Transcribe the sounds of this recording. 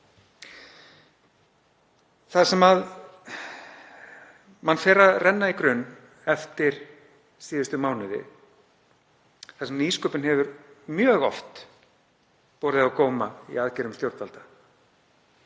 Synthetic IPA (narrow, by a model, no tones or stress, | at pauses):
θasɛmað | manfɛːɾaðrʔɛnːaikɾʏnː | ɛft̪ɪɾ̥ | siːðʏst̪ʏmaːwnɪðɪ̰ | θaðsɛmniːskœːpʏnhɛvʏɾmjœːɣɔ̰ft̪ | pɔːɾðɪakoːwmaḭaðcɛɾʏmt̪jowɾt̪valt̪ḁ